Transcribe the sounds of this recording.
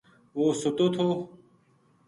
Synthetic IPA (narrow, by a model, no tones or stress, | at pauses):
woːsut̪ot̪ʰoː